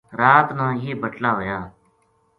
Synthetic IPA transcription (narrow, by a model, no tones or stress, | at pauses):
ɾaːt̪nãːjeːbəʈlaːɦoːjaː